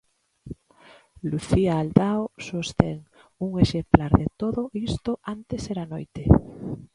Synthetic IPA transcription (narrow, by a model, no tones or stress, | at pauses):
luθiaːld̪aosost̪eŋ | uŋeʃemplaɾðet̪oðoist̪oant̪eseɾanojt̪e